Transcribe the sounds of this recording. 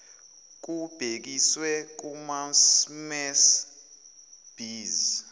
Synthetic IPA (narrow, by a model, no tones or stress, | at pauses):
k̬ub̥ʱek̬iswɛk̬umansmɛs | b̥iːz